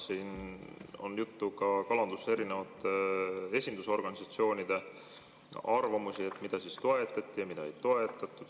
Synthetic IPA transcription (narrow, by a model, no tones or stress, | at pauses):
siːno̰njut̪ːukɑkɑlɑnd̪use̞ɾinevɑt̪ːee̞sʲind̪uso̞rɡ̥ɑnʲisɑt̪sio̞ːnʲid̪̥e̞ | ɑrvɑmusie̞t̪ːmid̪̥ɑsist̪o̞e̞t̪ːˑɑt̪ʲːˑijɑmid̪̥ɑejt̪o̞e̞t̪ːˑɑt̪ːˑud̪̥